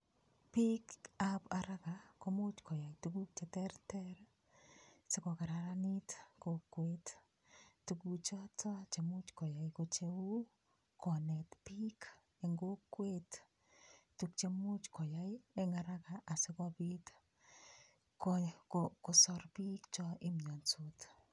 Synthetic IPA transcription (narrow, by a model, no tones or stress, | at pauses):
pikapaɾakakomʊt͡ʃkɔjajtukuk̚t͡ʃetɛɾtɛɾ | sɪkɔkaɾaɾanitkokːwet | tukut͡ʃɔtɔt͡ʃemʊt͡ʃkɔjajkot͡ʃeu | kɔnɛtpik | eŋɡokwet | tukt͡ʃemut͡ʃkɔjajeŋaɾakaʔasɪkɔpit | kokokosɔɾpikt͡ʃɔʔɪmɲɔnsot